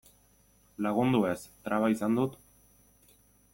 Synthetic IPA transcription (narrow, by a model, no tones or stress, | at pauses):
laɣund̪ue̞st̪ɾʔaβaisand̪ut̪